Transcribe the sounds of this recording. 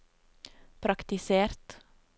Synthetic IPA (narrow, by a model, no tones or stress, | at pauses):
pʰɾɑkt̪ɪseːɾt̪